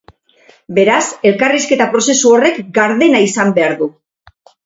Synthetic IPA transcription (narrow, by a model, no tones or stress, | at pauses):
be̞ɾase̞lkariske̞t̪apɾo̞se̞suo̞re̞kɡaɾðe̞naisambe̞aɾðu